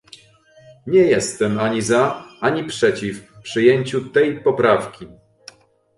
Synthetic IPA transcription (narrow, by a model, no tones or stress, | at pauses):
ɲɛjɛst̪ɛmaɲizaaɲipʂɛt͡ɕifpʂɘjeɲt͡ɕut̪ɛjpɔpɾafkʲi